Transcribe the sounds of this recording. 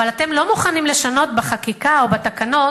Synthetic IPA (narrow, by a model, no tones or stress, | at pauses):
valat̪e̞mlo̞muχanimle̞ʃano̞t̪baχakikaobat̪akano̞